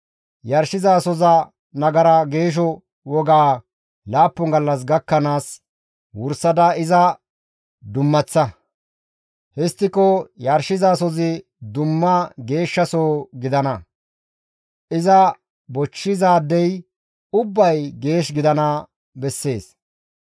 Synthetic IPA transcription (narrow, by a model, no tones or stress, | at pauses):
jɐɾʃɪzaːsɔzɐ | nɐɡɐɾɐɡe̞ːʃ̬ɔ | wɔɡaː | laːpːɔŋɡɐlːɐs̬ɡɐkːɐnaːs | wʊɾsɐd̪ɐɪzɐ | d̪ʊmːɐt͡sːɐ | hɛst̪ːɪkɔjɐɾʃɪzaːsɔzɪ | d̪ʊmːɐɡe̞ːʃːɐsoːɡɪd̪ɐnɐ | ʔɪzɐ | bɔt͡ʃːɪzaːd̪ːɛj | ʊbːɐjɡe̞ːʃɡɪd̪ɐnɐ | bɛsːe̞ːs